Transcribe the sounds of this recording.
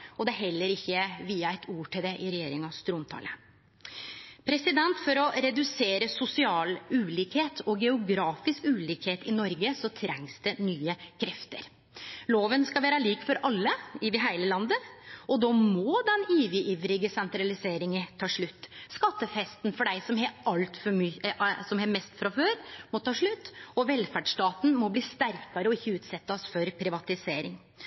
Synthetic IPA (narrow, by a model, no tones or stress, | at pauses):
ɔd̪ɛɦɛlːəɾɪçːəʋiːɑɛɪt̪ʰuːʈɪld̪ɛʔɪɾɛjeːɾɪŋɑʋst̪ɾuːnt̪ʰɑ̰ːlə | pʰɾɛsɪd̪ɛnt̪fɔɾɔɾɛd̪ʉseːɾəsʊsɪɑːlʉːliːkheːt̪ʰɔɡɛʊɡɾɑːfɪskʉːliːkheːt̪ɪnɔɾɡəsɔt̪ʰɾɛŋsd̪ɛnyːəkʰɾɛft̪ə̰ɾ | loːʋənskɑʋæːɾəliːkfɔɾʔɑlːəɪʋɪɦæɪləlɑnd̪əɔd̪ɔmɔd̪ɛniːʋɪʔiːʋɾɪɡəsɛnt̪ɾɑlɪseːɾɪŋət̪ʰɑːʂɭʉt̪ːskɑt̪ːəfɛst̪nfɔɖæɪsɔmɦɛɑlt̪fɔ | sɔmhɛmɛst̪fɾɑføːɾmɔt̪ʰɑːʂɭʉt̪ːɔʋɛlfæɖʂtɑːt̪n̩mɔbliːst̪æɾkɑɾəɔɪçːəʉːt̪sɛt̪ːɑsfɔɾpʰɾɪʋɑt̪ɪseːɾɪŋ